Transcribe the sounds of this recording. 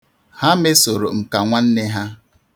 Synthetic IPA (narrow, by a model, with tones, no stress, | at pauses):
ha˦me˦so˨ɾo˨m̩˨ka˨ŋʷa˦n̩˦ne˦ɦa˦